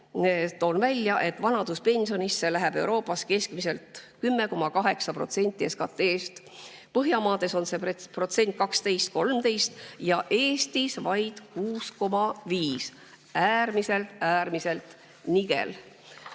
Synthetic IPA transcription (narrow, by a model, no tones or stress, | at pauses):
net̪ːo̞nvælʲːjɑʔe̞t̪ːvɑnɑd̪̥uspe̞nsio̞nisːe̞læɦæb̥e̞wɾo̞ːpːˑɑske̞skmise̞lt̪kymːe̞ko̞mɑkɑɦe̞ksɑpro̞̰t̪se̞nt̪ːˑie̞skɑt̪ːˑe̞ːst̪ | pɤɦjɑmɑːd̪e̞so̞nse̞pro̞t̪se̞nʲt̪̚ˑkɑkst̪e̞jst̪̚ko̞lmt̪e̞jst̪jɑʔe̞ːst̪isvɑjd̪̥kuːsko̞mɑviːs | æːrmise̞lt̪æːɾmise̞lt̪ | niɡ̥e̞̰l